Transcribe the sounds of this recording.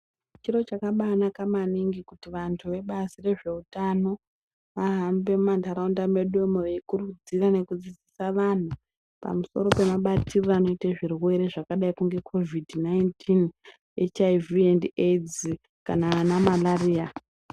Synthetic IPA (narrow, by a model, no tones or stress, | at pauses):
t͡ʃiro̞t͡ʃakaɓanakamaniŋɡikutiʋantʰuʋe̞ɓazire̞ʐe̞utano̞ | ʋaɦambe̞mmantaɾaundame̞ɗomoʋeikurud͡zirane̞kud͡zid͡zisaʋan̤u | pa̰muso̞̰ɾo̞pe̞maɓatirrano̞iteʐirwe̞ɾe̞ʐakaɗaikuŋɡe̞kʰo̞vidnaintʰin | et͡ʃaiviended͡z | kananamalariːa